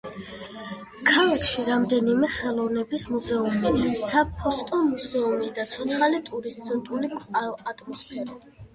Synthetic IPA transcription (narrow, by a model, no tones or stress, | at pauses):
kʰalakʃiɾamd̪ɛnimɛχɛlˠɔvnɛbismuzɛumisapʰɔst̪ʼɔmuzɛumid̪at̪sʰɔt̪sʰχalit̪ʼuɾist̪sɔnt̪ʼuliat̪ʼmɔspʰɛɾa